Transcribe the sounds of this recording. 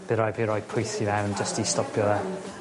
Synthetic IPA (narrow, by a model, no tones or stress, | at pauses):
b̥ɨɾɔjd̚bʰiɾɔjd̚pʰʊjθivɛwnd͡ʒəstistɔpʰjɔðɛ